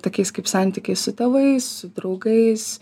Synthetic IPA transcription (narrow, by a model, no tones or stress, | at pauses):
t̪oːkʲɛɪskɐɪpsɐnʲt̪ʲikʲeɪssʊt̪ɐʋɐɪssʊd̪ɾɐʊɡɐɪs